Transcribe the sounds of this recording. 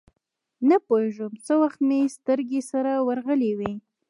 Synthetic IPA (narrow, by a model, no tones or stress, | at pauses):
napoeʒəmt͡səwaxt̪mest̪əɾɡesaɾawaɾɣəlewi